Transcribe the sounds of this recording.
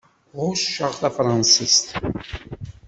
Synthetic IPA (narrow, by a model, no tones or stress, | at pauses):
ʁʊʃʃəʁθæfɾˤɑnsist̪